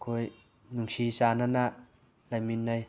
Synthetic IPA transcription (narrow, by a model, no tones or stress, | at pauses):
kʰoj | nuŋsisananaʔ | lajminːaj